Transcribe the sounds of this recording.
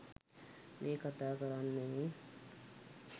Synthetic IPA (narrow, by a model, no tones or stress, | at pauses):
mʔeːkat̪aːkəɾanːe